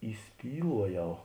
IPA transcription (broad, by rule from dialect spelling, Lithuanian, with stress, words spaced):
iːˈsʲpʲiːlˠuɔˌjɛʊ